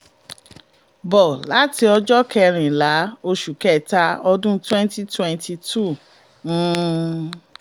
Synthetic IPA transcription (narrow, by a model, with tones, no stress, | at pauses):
bɔ˨la˨˦ti˧˦ɔ˧d͡ʒɔ˦kɛ˧ɾ̃ĩ˨la˨˦o˧ʃu˨kɛ˦˨ta˧˦ɔ˧dũ˦twɛ̃˦nti˦twɛ̃˧nti˧tũ˦˨˦